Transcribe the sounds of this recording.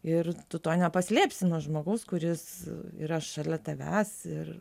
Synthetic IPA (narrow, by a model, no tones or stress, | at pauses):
ɪrt̪ʊt̪oːnʲɛpɐsʲlʲeːpʲsʲɪnuɔʒmoːɡɐʊskʊɾʲɪsḭɾɐʃɑlʲɛt̪ʲɛʋʲæːsɪr